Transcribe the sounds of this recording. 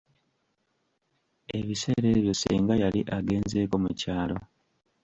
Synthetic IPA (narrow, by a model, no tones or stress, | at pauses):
e̞βise̞ːɾe̞βjo̞sḭːŋɡajaliʔaɡe̞ːnze̞ːko̞mucaːlo̞